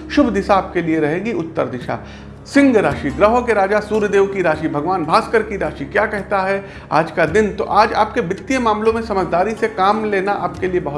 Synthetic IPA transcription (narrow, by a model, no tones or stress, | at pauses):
ʃʊbʱd̪ɪsaːp̚kelieɾɐɦẽːɡiʊt̪ːə̰ɾd̪ɪʃa̰ː | sɪ̃ŋɡɾaːʃiɡɾɐɦõkeɾaːd͡ʒasuːɾjd̪eːʋkiɾaːʃibʱɐɡʋaːnbʱaːskəɾkiɾaːʃikjaːkɛɦt̪aɦɛ | a̰ːd͡ʒkad̪ɪnt̪o̰ʔaːd͡ʒa̰ːp̚kebɪt̪ːijẽmaːmlõmẽsɐməd͡ʒʱd̪aːɾisekaːmleːnaʔaːp̚keliebɐɦʊ